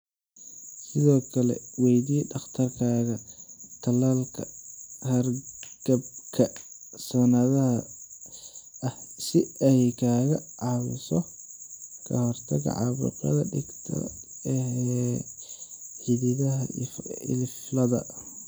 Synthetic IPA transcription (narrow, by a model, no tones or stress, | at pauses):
sɪðɔːkʰɐlɛ̰wɛjdiːɖɑχt̪ʰɐrkʰaːɣɐt̪ʰɐlalkʰɐhɐrɡ̥ɐb̚kʰɐsɔnɐðɐɦɐ | ɐhsɪɛjkʰaːɣɐʕɑːwʊ̰sɔ | kʰɐ̰hɔrt̪ʰɐɣɐ̰ʕɑ̰βʊ̰qɐ̰ðɐɖɪɡt̪ʰɐ̰ | ɛ | ħiðɪðɐɦɐɪ̰lɪflɐðɐ̰